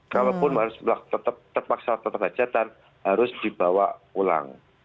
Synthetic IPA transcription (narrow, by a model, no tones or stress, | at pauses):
kalawpʊnɦaɾʊspulak̚t̪ət̪əp̚t̪ərpaksat̪ət̪əpɦḁd͡ʒ̥ad̪an | haɾʊsd̥ib̥awapula̰ŋ